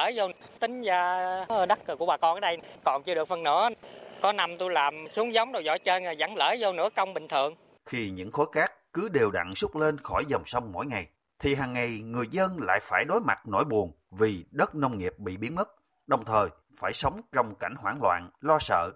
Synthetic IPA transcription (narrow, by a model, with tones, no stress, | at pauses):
əː˧˦zo˧wt̪ï˨˦ŋ̟zaː˧ɗa˦˥kːɨ˨˩ku˧˩əɓaː˨˩kɔ˧nʔəː˧˦ɗjkɔ˨˩nt͡ɕɨ˧ɗək̚fə˨˩nɨ̰˧˥əkɔ˨˦na˧mt̪u˧jlaː˨˩msu˨˦əŋzə˨˦wŋ͡mɗo˨˩jzɔ̰˧˨˦jt͡ɕəː˧nː˨˩za˧˩ŋləː˧˦zə˧wnɨ̰˧˥əkə˧wŋ͡mɓï˨˩ŋ̟t̪ʰɨ˨˩əŋ | xi˧ɲɨ̰˧˥ŋxo˨˦jkaː˦˥kːɨ˨˦ɗe˨˩wɗa̰˧˨ŋsu˦˥k͡p̚le˧nxɔ˧˩jzə˨˩wŋ͡msə˧wŋ͡mmo̰˧˥jŋa˨˩j | t̪ʰi˨˩ɦaː˨˩ŋːa˨˩jŋɨ˨˩əjzə˧nla̰ː˧˨jfaː˧˩jɗo˨˦jma˨˩t̚no̰˧˥˦jɓu˨˩ən | vi˨˩ɗə˦˥t̚nə˧wŋ͡mŋi˨˩əp̚ɓḭ˧˨ɓi˨˦ənmə˦˥t̚ | ɗə˨˩wŋ͡mt̪ʰəː˨˩j | faː˧˩jsə˨˦wŋ͡mt͡ɕɔ˧wŋ͡mka˧˩jŋ̟hwaː˧˩ŋlwa̰ː˧˨nlɔ˧sə̰ː˧˨